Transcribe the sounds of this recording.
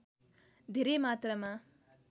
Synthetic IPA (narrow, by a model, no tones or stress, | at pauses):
d̪ʱeɾemaːt̪ɾəmã